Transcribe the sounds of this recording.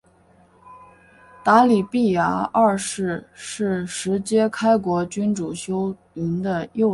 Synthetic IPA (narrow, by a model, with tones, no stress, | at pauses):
t̪a˧˥li˨˩pi˥˩ja˧˥a˥˧ʂɻ̩˥˧ʂɻ̩˥˩ʂɻ̩˧˥t͡ɕjɛ˥kʰa˥ɪkwɔ˧˥t͡ɕy˥nʈ͡ʂu˨˩ɕjo˥ʊ | i˧˥nd̪ə˧jo˥˩ʊ